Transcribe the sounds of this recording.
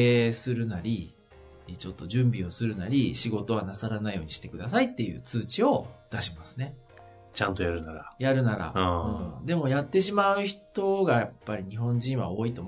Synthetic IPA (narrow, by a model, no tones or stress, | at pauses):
esɨɾɯ̟naɾʲi | t͡ɕo̞t̪ːo̞ʑɨ̃mbʲio̞sɨɾɯ̟naɾʲiɕiɡo̞t̪o̞β̞anasaɾanaijo̞ːɲ̟iɕi̥t̪e̞kɯ̟d̪asait̪ːe̞jɯ̟ːt͡sɨːt͡ɕio̞d̪̥aɕimasɨ̥ne̞ | t͡ɕãnt̪o̞jaɾɯ̟naɾajaɾɯ̟naɾã̰ɯ̃ːd̪e̞mo̞jat̪ːe̞ɕimaɯ̟çi̥t̪o̞ɡajapːaɾʲiɲ̟iɦõ̞ɲ̟d͡ʑĩɰ̃βa̰o̞ːit̪o̞m